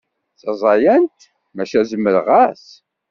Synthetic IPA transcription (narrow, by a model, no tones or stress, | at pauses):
θəzˤɑjænt̪ | mæʃæzəmːəɾʁæs